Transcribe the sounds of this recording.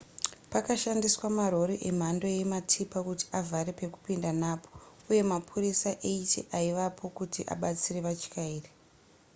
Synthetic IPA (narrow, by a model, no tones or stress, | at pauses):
pakaʃandiswamaro̞ɾiʔem̤ando̞je̞matʰipakuti̥avʱaɾepe̞ku̥pindanaːpʰo̞̥ | uje̞mapʰurisaʔeitḛʔaiʋapʰo̞kutʰiʔa̰ɓat͡sire̞ʋat͡ʃi̥kaiːre